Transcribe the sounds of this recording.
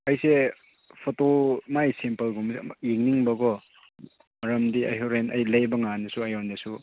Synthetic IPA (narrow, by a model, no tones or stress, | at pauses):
ɐjse | pʰotomajsimpɐlɡumsjiŋniŋbɐɡɔ | mɐɾɐmdiɐ̰jɦoɾenɐjlɐjbɐŋanɐsuɐjondesu